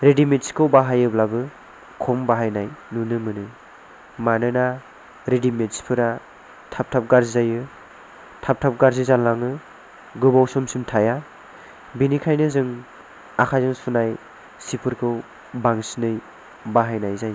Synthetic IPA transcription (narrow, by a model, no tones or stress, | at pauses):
ɾedimetskʰɯwbaɦajɯblabɯ | kʰɔmbaɦajnajnunɯmɯnɯ | manɯna | ɾidimetspʰɯɾa | tʰap̚tʰap̚ɡaɾzzajɯ | tʰap̚tʰap̚ɡaɾzizanlːaŋɯ | ɡɯbawsɔmsimtʰaja | binikʰajnɯzɯŋ | akʰajzɯŋsunaj | sipʰɯɾkʰɯw | baŋsinɯj | baɦajnajzaj